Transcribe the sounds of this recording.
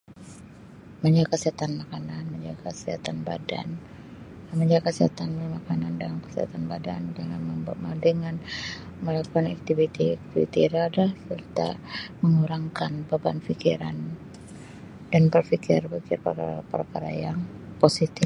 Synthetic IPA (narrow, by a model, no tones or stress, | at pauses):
məɲd͡ʒaɡkəsiɦat̪anmakananməɲd͡ʒaɡasia̰t̪anba̰da̰n | məɲd͡ʒakəsiɦat̪anbərmakanandalamkə̥siha̰t̪anbadandəŋanməmadəŋan | məlakuanak̚t̪ivit̪iak̚t̪ivḭt̪iɾadahsərt̪a̰məŋuɾaŋkanbabanfikiɾa̰n | danbərfikɪ̰rfikɪrpərkaɾapə̰rkaɾa̰jaŋ | posit̪ɪ